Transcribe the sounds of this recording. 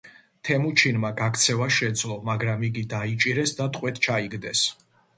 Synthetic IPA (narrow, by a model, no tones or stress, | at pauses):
t̪ʰɛmut͡ʃʰinmaɡakʰt̪sʰɛvaʃɛd̪zlˠɔmaɡɾamiɡid̪ait͡ʃʼiɾɛsd̪at̪ʼqʼwɛt̪ʰt͡ʃʰaiɡd̪ɛs